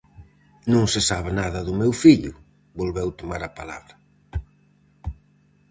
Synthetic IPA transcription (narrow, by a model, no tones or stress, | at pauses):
nõŋsɪsaβenaðɐðʊmewfiʎʊ̰ | bolβɛwt̪omaɾapala̰βɾɐ